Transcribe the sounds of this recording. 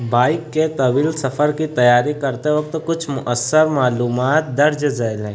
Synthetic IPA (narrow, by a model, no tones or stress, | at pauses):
baːɪkːet̪ɐbiːlsɐfʰəɾkit̪ɐjaːɾikɐɾt̪eʋɐk̚t̪kʊt͡ʃʰmʊʔəsːəɾmaːluːmaːt̪̚d̪ɐɾd͡ʒzalẽ